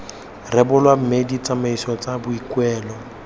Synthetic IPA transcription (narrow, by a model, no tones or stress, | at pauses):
rɛbʊlwam̩medit͡sʼamaisɔt͡sʼabʊikwɛːlɔ